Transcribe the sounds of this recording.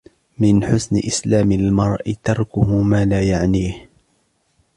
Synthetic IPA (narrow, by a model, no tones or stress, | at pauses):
mɪnħʊsnɪ̰ʔɪslaːmɪlmɑɾˤʔɪt̪ɑɾˤkʊhʊmaːlaːjaʕniːh